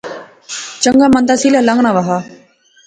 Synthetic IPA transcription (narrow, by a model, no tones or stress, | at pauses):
t͡ʃəŋɡaːmə̃nd̪aːsiːlaːlãŋɡɳãːʋaɦaː